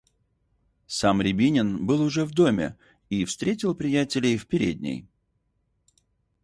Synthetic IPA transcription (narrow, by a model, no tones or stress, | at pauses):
samɾʲɪbʲinʲɪnbɨlˠʊʐɛvd̪o̞mʲɪ̰ | ifst̪ɾʲetʲɪlˠpɾʲɪjætʲɪlʲɪjfpʲɪɾʲḛd̪ʲnʲɪ̰j